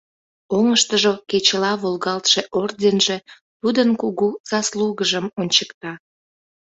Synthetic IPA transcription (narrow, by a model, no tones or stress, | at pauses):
oŋəʃt̪əʒoket͡ɕəlɑβolɣɑlt̪ʃeʔordʲenʒe̽ | t̪ud̪ənkuɣuz̥ɑsluɣəʒəmonʲt͡ɕəkt̪ɑ